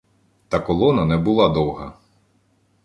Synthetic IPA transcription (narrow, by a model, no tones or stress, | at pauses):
t̪ɐkɔlˠɔnɐnɛbʊlˠɑd̪ɔwɦɐ